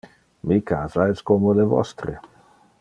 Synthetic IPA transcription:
mikʰaːzaɛskomolevɔ̰st̪ɾe

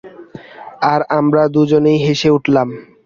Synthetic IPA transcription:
aɾamɾad̪ud͡ʑonejɦeʃeuʈʰlam

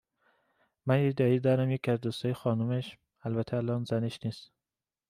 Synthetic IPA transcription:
mænjid̪ɒːiːd̪ɒːɾæmjekʰiæzd̪uːst̪ɒːjexɒːnumeʃ | ælbæt̪ʰeælɒːnzæneʃniːst̪

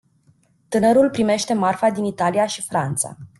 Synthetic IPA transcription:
t̪ɨnəɾulpɾime̞ʃt̪e̞marfad̪init̪alijaʃifɾant̪sa̰

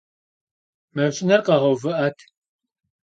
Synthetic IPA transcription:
mɐɕʼɪnɐrqɐʁɐwvɨʔɐtʰ

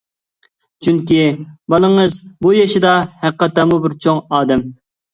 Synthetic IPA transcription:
t͡ʃʰyŋkʲibɑlˠəŋɨzbujɑʃɪd̪ɑhæq̚ːɑt̪ːɑmubɪɾt͡ʃʰoŋɑːd̪ɛm

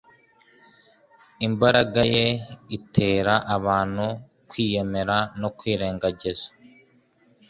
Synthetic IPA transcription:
imbaɾaɡaje̞itʰe̞ːɾaʔaβaːn̥hu | kwiːje̞me̞ɾano̞kwiːɾe̞ːŋɡaɟezḁ

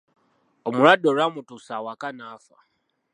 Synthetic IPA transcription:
omuɾadoɾamutusawakanaːfa̰

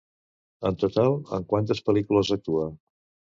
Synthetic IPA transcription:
ənt̪ut̪alˠə̰ŋkwant̪əspəlikuləzək̚t̪uə

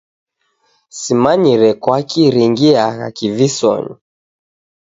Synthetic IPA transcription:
simaɲiɾɛkwakiɾiŋɡiaka̰kivisɔ̰ɲḭ

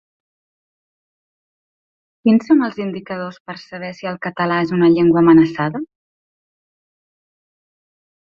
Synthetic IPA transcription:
kinsoməlˠzind̪ikəðospəɾsəβ̞ɛsiəlˠkət̪əlaezunəʎeŋɡwəːmənəsaðə

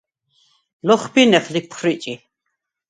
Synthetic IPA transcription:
lɔχbinɛχlik̚pʰχɾit͡ʃʼi

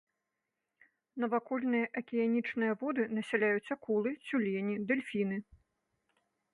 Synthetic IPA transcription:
nɐvakɔlʲnɨjɐʔɐkʲijanʲit͡ʂnɨjɐvɔd̪ɨnɐsʲalʲajut͡sʲɐkulˠɨsʲulʲɛnʲid̪ɛlʲfʲinɨ

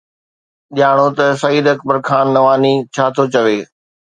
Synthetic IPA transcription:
ɗɪjaːɽ̃ot̪ɐsɐiːd̪ɐkbəɾkʰaːnːɐʋaːnit͡ɕʰaːt̪ʰot͡ɕɐʋeː

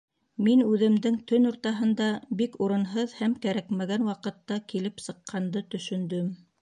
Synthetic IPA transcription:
minʉðɘ̆md̪ɘŋt̪ɵnŏɾt̪ɑɦɤ̆nd̪ɑbikuɾɤ̆nɦɤðhæmkæɾækmæɡænwɑqɤ̆t̪ːɑkilɘpsɤ̆qʰːɑnd̪ɤt̪ɵ̆ʃɵ̆nd̪ɵm

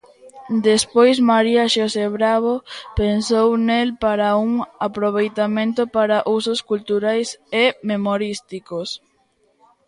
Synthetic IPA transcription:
d̪espojsmaɾiaʃoseβɾaβopensownelpaɾauŋapɾoβ̞ejt̪amẽnt̪ʊpaɾaʔusoskult̪uɾajsememoɾist̪ikos

